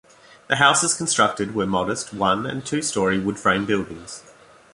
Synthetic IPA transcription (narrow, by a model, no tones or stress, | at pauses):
ðəɦaʊsəz̥kʰə̃n̩stɹ̥ʌk̚tɨd̚wəmɒɾəst̚ʰwʌ̃nə̰̃ntʰʉːstɔɹiwəd̥fɹẽɪ̃mbɪlˠdɪ̃ŋz̥